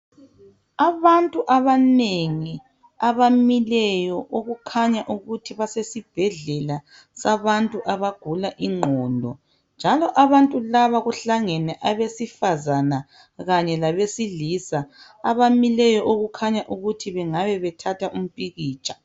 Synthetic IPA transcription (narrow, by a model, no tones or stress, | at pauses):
aβantʼuʔaβaneŋi | aβamilɛjɔʔoɣukʰaɲaʔuɣutʰiβasesib̥ʱɛɮɛla | saβantʼuʔaβaɡ̥ʱulaʔiŋ͡ǃʱɔndʱɔ̰ | nd͡ʒʱalɔʔaβantʼulaβaɣuɬaŋɛnɛʔaβesifazana | ɣaɲɛlaβesilisa | aβamilɛjɔʔoɣukʰaɲaʔuɣutʰiβɛŋaβɛβɛtʰatʰaʔum̩pʼiɣiːt͡ʃʼḁ